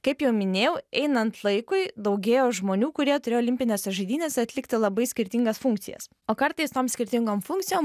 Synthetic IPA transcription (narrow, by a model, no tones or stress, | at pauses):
kɐɪpjɛʊmʲɪnʲeːjɛʊɛɪnɐnt̪lˠɐɪkʊɪd̪ɐʊɡʲeːjoːʒmoːnʲuːkʊɾʲiɛt̪ʊɾʲeːjoːlʲɪmʲpʲɪnʲɛsʲɐʒɐɪd̪ʲiːnʲeːsɐt̪ʲlʲɪkt̪ʲɪlˠɐbɐɪsʲkʲɪɾʲt̪ʲɪŋɡɐsfʊŋk̚t̪sʲɪ̰jɛ̰s | oːkɐɾt̪ɐɪst̪oːmsʲkʲɪɾʲt̪ʲɪŋɡoːmfʊŋk̚t̪sʲɪjoːm